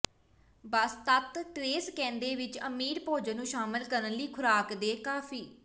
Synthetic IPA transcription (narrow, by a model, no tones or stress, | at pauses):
bəst̪ət̪ʈɾeːskɛ̃ːnd̪eːʋɪt͡ʃəmiːɾpoːd͡ʒənũːʃaːmɪlkəɾənliːkʰʊɾaːkd̪eːkaːfʰiː